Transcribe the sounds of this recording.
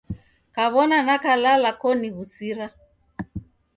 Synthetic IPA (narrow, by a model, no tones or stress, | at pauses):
kaβɔnanakalalakɔniβusiɾa